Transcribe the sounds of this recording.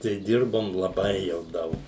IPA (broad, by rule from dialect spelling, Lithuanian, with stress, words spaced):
tɐɪ ˈdʲɪrboːm lˠɐˈbɐɪ jɛʊ ˈdɐʊk